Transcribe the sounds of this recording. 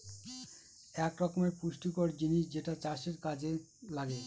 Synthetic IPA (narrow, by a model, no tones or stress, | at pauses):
ɛkɾɔkomeɾpuʃʈikoɾd͡ʑiniʃd͡ʑeʈat͡ɕaʃeɾkad͡ʑe | laɡe